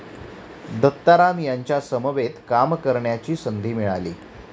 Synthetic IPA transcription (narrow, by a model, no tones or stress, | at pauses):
d̪ət̪ːaɾamjaɲt͡ɕjasəməʋet̪kamkəɾɳjat͡ɕiːsənd̪ʱiːmiɭalḭː